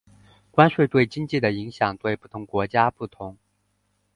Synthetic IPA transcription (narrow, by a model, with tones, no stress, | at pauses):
kwa˥nʂwe˥˧ɪt̪we˥˩ɪt͡ɕi˥ŋt͡ɕi˥˩d̪ə˩i˧˥ŋɕjɑ˨˩ŋt̪we˥˧ɪpu˥˩t̪ʰʊ˧˥ŋkwɔ˧˥t͡ɕja˥pu˥˩t̪ʰʊ˧˥˦ŋ